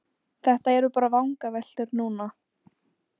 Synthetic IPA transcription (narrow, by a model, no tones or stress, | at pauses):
θɛht̪aɛɾʏpaːɾavawŋkavɛl̥t̪ʏɾnuːna